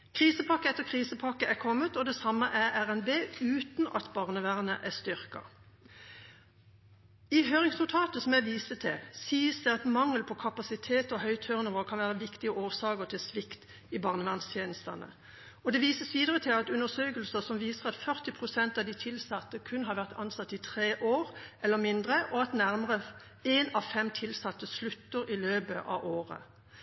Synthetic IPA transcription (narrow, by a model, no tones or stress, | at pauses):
kʰʁiːsəpʰɑkːəɛt̪ːəʁkʰʁiːsəpʰɑkːəʔækʰɔmːət̪ɔd̪ɛsɑmːəʔæʁæʁɛnbeːʉːt̪nʔɑ̰t̪bɑːʁnəʋæːʁnə̰ʔæʁst̪ʏʁkɑ̰ | iɦøːʁɪŋsnʊt̪ʰɑːt̪əsɔmjæʋiːsət̪ʰɛsiːəsd̪ɛɑt̪mɑŋːəlpʰɔkʰɑpɑsɪt̪ʰeːt̪ɔɦœʏt̪ʰœʁnəʋɔlkʰɑnʋæːʁəʋɪkt̪ɪəʔoːsɑːkəʁt̪ʰɪlsʋɪkt̪ | ɪbɑʁnəʋɑnst̪ʰjeːnəst̪ɑnə̰ | ɔd̪ɛʋiːsəsʋiːd̪əʁət̪ʰɪlɑt̪ʉnəsøːkəlsəsɔmʋiːsəʁɑt̪fœʁt̪ɪpʰʁʊsɛnt̪ɑʋd̪ɪt̪ʰɪlsɑt̪ːəkʰʉnɦɑːɾʋæʁt̪ʰɑnsɑt̪ːɪt̪ʰʁeːʔoːʁʔɛlːəmɪnd̪ʁəʔɔɑt̪næʁməʁə | eːnɑʋfɛmt̪ʰɪlsɑt̪ːəslʉt̪ːəɾɪløːbəʔɑ̰ʋʔoːʁə̰